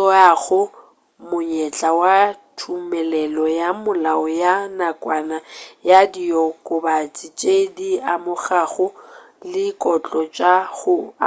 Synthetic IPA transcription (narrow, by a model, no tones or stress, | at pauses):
ɔaɣʊ | mʊɲɛt͡ɬʼawatʰumɛlɛlɔjamʊlaɔjanakʼwanajadiɔkʼʊbat͡sʼɪt͡ʃʼediamʊχaɣʊ | lɪkʼɔt͡ɬʼɔt͡ʃʼaɣʊa